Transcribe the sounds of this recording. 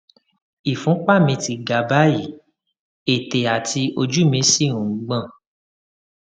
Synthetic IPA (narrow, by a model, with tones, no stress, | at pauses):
i˨fũ˨˦k͡pa˦˨mĩ˧ti˧ɡa˨ba˦ji˨˦ | e˨te˨a˨tʰi˧o˧d͡ʒu˦˨mĩ˧˦si˦˨ɾ̃ũ˨˦ɡ͡bã˦˨